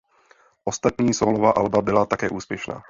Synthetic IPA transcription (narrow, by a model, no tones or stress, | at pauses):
ʔo̞st̪at̪ɲiːsolovaːʔalbabɪlat̪akɛ̰ːʔuːspjɛʃna̰ː